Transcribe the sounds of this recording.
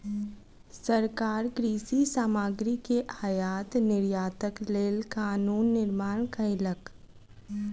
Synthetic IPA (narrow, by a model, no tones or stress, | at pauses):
səɾkaːɾɡɾiːsisaːmaːɡɾikeʔajaːt̪nɪɾjaːt̪əkleːlkaːnuːnːɪɾmaːɽ̃kəɪlək